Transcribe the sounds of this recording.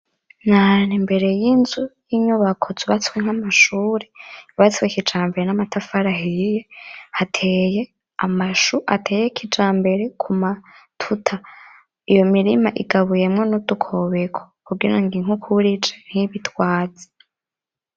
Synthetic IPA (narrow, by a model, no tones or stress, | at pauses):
nanimbe̞ɾe̞jinzujiɲuβakʰo̞zuβat͡sweŋ̥hamaʃuːɾeβat͡swekid͡ʒaːmbe̞ɾenamatʰafaɾaɦijehatʰeje | amaʃuʔa̰tʰe̞ːjekʰid͡ʒaːmbe̞ɾe̞kʰumatʰutʰa | ijo̞miɾimaʔiɡaβuje̞mŋenudukʰo̞βekʰo̥kuɡiɾaŋɡiŋukʰuɾid͡ʒen̥hiβitwaːd͡ze̥